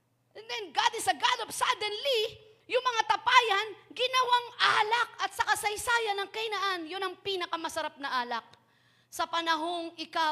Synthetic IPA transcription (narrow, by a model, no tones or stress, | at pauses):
ʔɛnd̪ɛnɡad̪ɪsɐɡad̪opsad̪ɛnli | jʊŋmɐŋat̪ɐpaːjɐnɡɪnɐwaŋʔaːlɐk̚ɐt̪̚sɐkɐsɐjsaːjɐnɐŋkɐjnɐʔanjʊnɐŋpiːnɐkɐmɐsɐɾap̚nɐʔaːlɐk̚ | sɐpɐnɐɦoŋɪka